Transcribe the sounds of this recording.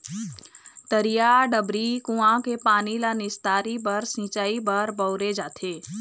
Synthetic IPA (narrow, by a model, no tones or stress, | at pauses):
t̪əɾijaːɖəbɾikũãkepaːnilanɪst̪aːɾibɐɾsĩːt͡ʃaːibəɾbəʊɾed͡ʒaːt̪ʰeː